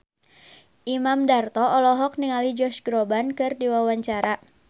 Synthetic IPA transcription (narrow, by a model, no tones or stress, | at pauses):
ʔimamdart̪ɔɔlɔɦɔk̚niŋalid͡ʒɔrt͡ʃɡɾɔbankɨrdiwawaɲt͡ʃaɾa